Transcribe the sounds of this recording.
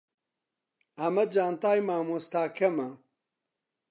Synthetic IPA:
ɐmɐd͡ʒaːnt̪aːjmaːmust̪aːkʰɐmɐ

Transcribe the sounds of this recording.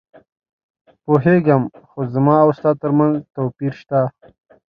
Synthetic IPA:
poɦeːɡɐmxozɐmɑːwst̪aːt̪ɐɾmɐnzt̪oːpiɾʃt̪a

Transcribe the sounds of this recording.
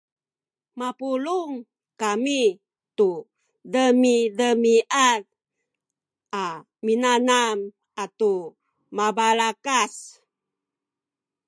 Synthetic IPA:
mapuluŋ | kami | tu | dəmidəmiʔat | a | minanam | atu | mabalakas

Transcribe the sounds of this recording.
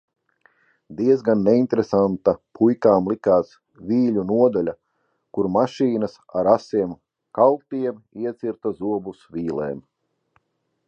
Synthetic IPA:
d̪iɛzɡanːeint̪ɾesant̪apʰujkaːmlˠikaːs | vʲiːlʲunuɔd̪alʲa | kuɾmaʃiːnɐsa̰ɾasiɛm | kalˠt̪iɛmiɛt̪siɾt̪azuɔbusvʲiːlˠɛ̰ːm

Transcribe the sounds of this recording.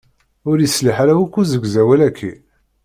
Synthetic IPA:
ʊɾjəsliħaɾæwækːuzəɡzæwælækʰːḭ

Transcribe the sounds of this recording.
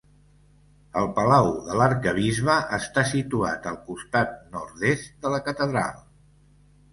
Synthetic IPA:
əlˠpəlawðələɾkəβ̞izβəʔəst̪asit̪ua̰t̪əlˠkust̪at̪̚nɔɾðest̪̚d̪ələkət̪əðɾa̰lˠ

